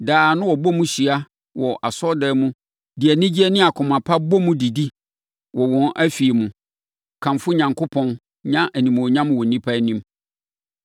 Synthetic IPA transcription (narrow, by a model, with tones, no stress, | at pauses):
daː˨nʊ̃˦wɔ˨bɔ˦mʊ̃˦ɕi˨a˦ | wɔ˨ʔa˨sɔ˦dɛː˦mũ˦ | di˨æ˨nɪ̃˦d͡ʑi˦ɛ˦nɪ̃˦a˨kʰʊ̃˨mã˨pʰa˦bɔ˦mʊ̃˦di˨di˦ | wɔ˨wɔ̃˨nʔæ˦fi˨e˨mʊ̃˨ | kʰã˨mfʊ˦ɲã˨ŋkʰo˦pʰɔ̃˦n | ɲã˦ʔæ˨nĩ˨m˨ɔ˨ɲã˦mʊ̃˦wɔ˨nĩ˦pʰa˦nĩ˦m